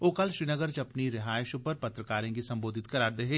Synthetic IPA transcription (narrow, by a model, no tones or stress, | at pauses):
oːkɐlʃɾiːnəɡəɾt͡ʃɐpniɾɪɦaːɪʃʊpɐɾpɐt̪ɾəkaːɾẽkisɐ̃mboːd̪ʱɪt̪kɐɾaːɾd̪eɦeː